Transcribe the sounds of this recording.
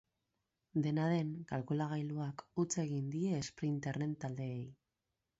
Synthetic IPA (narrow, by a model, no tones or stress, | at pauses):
d̪e̞naðe̞ŋkalkulaɣ̞ajluakut͡se̞ɣ̞ind̪ie̞ːspɾint̪erent̪ald̪e̞ːj